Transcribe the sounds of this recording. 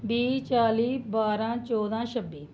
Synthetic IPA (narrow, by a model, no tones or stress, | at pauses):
biːt͡ʃaːliːbaːɾãːt͡ʃɔːd̪ãːʃəbːiː